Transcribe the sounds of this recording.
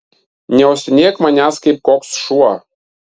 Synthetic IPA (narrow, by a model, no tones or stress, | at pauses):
nʲeosʲnʲekmɑnʲɑskʲip̚koksʃuɑ